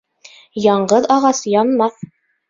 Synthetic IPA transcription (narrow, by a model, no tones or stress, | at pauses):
jɒɴɢɤðɑʁɑsjɒnmɑθ